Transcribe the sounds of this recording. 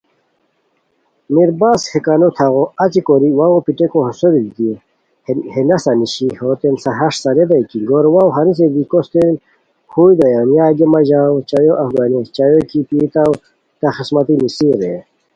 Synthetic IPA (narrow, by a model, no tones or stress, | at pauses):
miɾbaːshekanot̪ʰɐɣoɐt͡ɕikoɾiwaɣopiʈekoɦsoɾilɡ̪i | henɐsɐniɕihoːt̪ensɐɦɐʂsɐɾed̪ɐjkiɡoɾwawɦɐɾis̬ed̪ikost̪en | huːjd̪ɐjanjaːɡemɐʑaːwt͡ɕɐjoʔɐfɡaːnist͡ʃajokipit̪aw | t̪ɐxismɐt̪imisiɾe